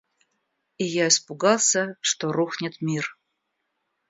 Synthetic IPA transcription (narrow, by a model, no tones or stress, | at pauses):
ijaɪspʊɡɑlˠsʲəʂt̪oɾuxnʲɪt̪mʲir